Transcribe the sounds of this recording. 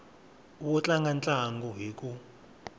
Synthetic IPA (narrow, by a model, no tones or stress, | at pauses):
ukɔt͡ɬʼaŋɡant͡ɬʼaŋɡɔɦik̬ʼu